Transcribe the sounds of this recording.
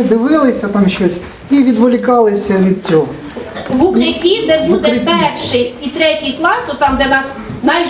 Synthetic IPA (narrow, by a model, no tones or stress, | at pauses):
d̪ɪʋɪlˠɪsʲɐt̪ɑmʃt͡ʃɔsʲ | iʋʲid̪ʋʊlʲikɑlˠɪsʲɐʋʲid̪̚t͡sʲɔɦɔ | ʋʊkɾɪtʲid̪ɛbud̪ɛpɛrʃɪjit̪ɾɛtʲijklˠɑsɔt̪ːɑmd̪ʲɛnɑs | nɑjʒ